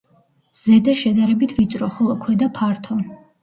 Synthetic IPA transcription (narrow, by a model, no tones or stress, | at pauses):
z̥ɛd̪aʃɛd̪aɾɛbit̪ʰvit̪sʼɾɔχɔlˠɔkʰwɛd̪apʰaɾt̪ʰɔ